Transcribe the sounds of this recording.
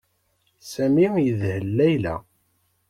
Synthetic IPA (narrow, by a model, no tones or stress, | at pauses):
sæmijəðhəlːæjlæ̰